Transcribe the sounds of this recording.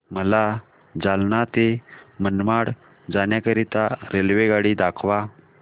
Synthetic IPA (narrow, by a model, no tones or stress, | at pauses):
məla | d͡zalnat̪emənmaɽ | d͡zanjakəɾit̪aɾelʋeɡaɽiːd̪akʰʋa